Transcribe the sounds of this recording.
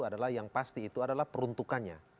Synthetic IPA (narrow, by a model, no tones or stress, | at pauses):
adalahjaŋpast̪iːt̪uadalahpəɾunt̪ukanɲa̰